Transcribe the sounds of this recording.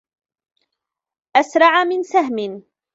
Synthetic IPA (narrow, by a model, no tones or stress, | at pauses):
ʔasɾˤɑʕamɪnsaɦmɪn